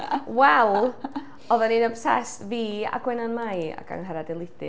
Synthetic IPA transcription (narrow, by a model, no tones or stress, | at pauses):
wɛlˠ | ɔðəninəpsɛ̰stviːa̰ɡ̥wɛnanmaja̰ka̰ŋɦɛɾadɛlˠɪd̥ɪ